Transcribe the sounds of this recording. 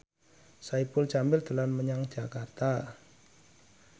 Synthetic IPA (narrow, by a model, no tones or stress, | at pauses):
saipʊlt͡ʃambɪld̪̥ə̤lanməɲaŋd̥ʒ̥akart̪a